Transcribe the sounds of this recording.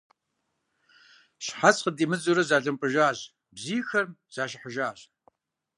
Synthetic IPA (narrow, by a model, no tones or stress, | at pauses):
ɕħasqədiːmɨt͡sʼuɾɐzaːɮɨmpʼɨʒaːʑ | bziːxɐrz̥aːʃɪħəʒaːɕ